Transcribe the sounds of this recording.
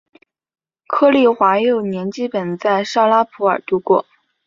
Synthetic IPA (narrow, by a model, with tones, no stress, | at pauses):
kʰɤ˥˧li˥˩xwa˧˥jo˥˩ʊnjɛ˧˥nt͡ɕi˥pə˨˩nt͡sa˥˧ɪʂɑ˥˧ʊla˥pʰu˧˥ə˞˨˩t̪u˧˥kwɔ˥˩